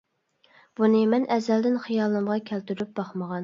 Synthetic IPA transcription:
b̥unɪmɛnɛzɛld̪ɪnχijɑlˠnɨmʁɑkʲʰælt̪yɾyp̚b̥ɑχməʁɑn

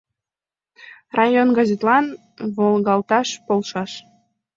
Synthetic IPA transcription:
rɑjonɡɑzet̪lɑn | βolˠɣɑlt̪ɑʃpolʃɑʃ

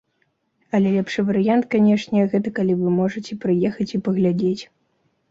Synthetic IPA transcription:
ɐlʲɛlʲɛpʂɨvɐɾɨjant̪kanʲɛʂnʲɛɣɛt̪ɐkalʲivɨmɔʐɐt͡sʲɛpɾɨjɛxɐt͡sʲipɐɣlʲad͡zʲet͡sʲ

